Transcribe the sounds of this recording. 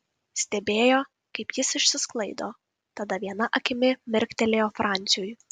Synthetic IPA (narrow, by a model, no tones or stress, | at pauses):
sʲt̪ʲɛbʲeːjoː | kɐɪpjɪsɪʃʲsʲɪsklˠɐɪd̪oː | t̪ɐd̪ɐʋʲiɛnɐʔɐkʲɪmʲɪmʲɪɾʲkt̪ʲɛlʲeːjoːfɾʔɑnʲt̪sʲɪjujʊ